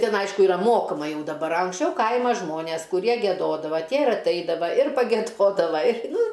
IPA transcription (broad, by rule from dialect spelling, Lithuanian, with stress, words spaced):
ˈtʲɪn ˈɐɪʃkʊ ɪˈrɐ ˈmoːkɐmɐ ˈjɛʊ dɐˈbɐr ɐ ɐŋksʲˈt͡ʃʲɛʊ ˈkɐɪmɐ ˈʒmoːnʲeːs kʊˈrʲiɛ ɡʲiɛˈdoːdɐʋɐ ˈtʲiɛ ɪr ɐtˈɐɪdɐʋɐ ɪr pɐɡʲɛˈdoːdɐʋɐ ɪr ˈnʊ